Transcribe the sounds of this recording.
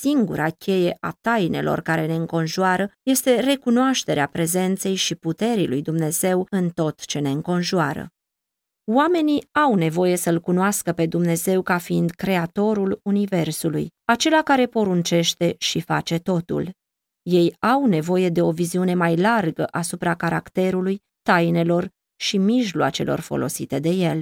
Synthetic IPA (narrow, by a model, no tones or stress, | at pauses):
siŋɡṵɾakʲʰe̞je̞ʔa̰t̪ajne̞̰lo̞̰rkaɾe̞ne̞ɨŋko̞nʒuaɾəje̞st̪e̞re̞kunoaʃt̪e̞ɾeapɾe̞ze̞nt̪se̞jʃiput̪e̞ɾilujd̪umne̞ze̞wɨnt̪o̞t̪t͡ʃe̞ne̞ɨŋko̞nʒuaɾə̰ | wame̞niawne̞vo̞je̞səɨlkunoaskəpe̞d̪umne̞ze̞wkafiind̪kɾe̞at̪o̞ɾulunive̞rsulṵjat͡ʃe̞lakaɾe̞po̞ɾunt͡ʃe̞ʃt̪e̞ʃifa̰t͡ʃe̞t̪o̞t̪ṵl | je̞jawne̞vo̞je̞d̪e̞o̞viziune̞majlarɡə̰ʔasupɾakaɾa̰kt̪e̞ɾuluj | t̪ajne̞lo̞r | ʃimiʒlwat͡ʃe̞̰lo̞̰rfo̞̰lo̞̰sit̪e̞d̪e̞je̞l